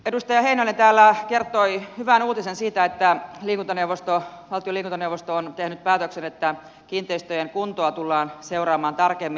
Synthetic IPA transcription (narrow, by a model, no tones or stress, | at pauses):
edust̪ɑjɑheinoilnent̪æːlːækert̪oihyʋænuːt̪isensiːt̪æet̪ːæliːkunt̪oneuʋost̪oʋɑlt̪ioliːkunt̪onewʋost̪oont̪ehnyt̪̚pæːt̪øksenet̪ːæ | kiːnt̪ˑeist̪øjeŋkunt̪oɑt̪ulːɑːnseurɑːmɑːnt̪ɑrkemːi